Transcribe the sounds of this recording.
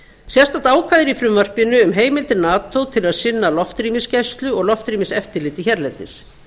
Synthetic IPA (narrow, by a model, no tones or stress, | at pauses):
sjɛ̥st̪at̪aːwkʰvaðɪɾifɾʏmvar̥pɪnːʏːmɦeːjmɪlt̪ɪɾnaːt̪owt̪ʰɪlaðsɪnːalɔft̪ɾiːmɪscajst̪lʏɔɣlɔft̪ɾiːmɪsɛft̪ɪɾlɪːt̪ɪçɛɾlɛnt̪ɪs